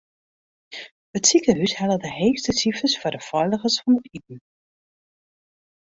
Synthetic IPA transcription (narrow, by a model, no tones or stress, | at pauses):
ətsikəɦyshɛlədəɦeːxstəsifəsfʊdəfɔɥləχəsfɑnətit̚n̩